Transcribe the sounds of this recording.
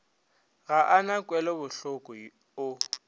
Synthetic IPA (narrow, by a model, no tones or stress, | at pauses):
ɣaʔanakʼwɛlɔbʊɬʊkʼɔ | ʊ